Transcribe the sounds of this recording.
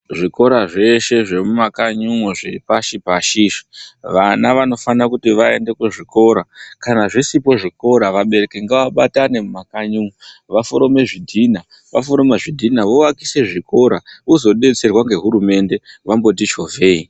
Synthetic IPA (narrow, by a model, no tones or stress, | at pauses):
ʐiko̞ɾaʐe̞ʃe̞ʐe̞mumakaɲuŋoʐepaʃipaʃiʃi̥ʋanaʋano̞fanakutiʋae̞nde̞kuʐiko̞ɾakanaʐisipo̞ʐiko̞ɾaʋaɓe̞ɾe̞keŋɡaʋaɓatane̞mumakaɲuŋoʋafoɾo̞me̞ʐidʱina | ʋafoɾo̞meʐidʱinaʋowakise̞ʐiko̞ɾauzo̞ɗe̞t͡se̞rwaŋɡe̞ɦuɾume̞nde̞ʋambo̞t̬it͡ʃo̞vʱe̞i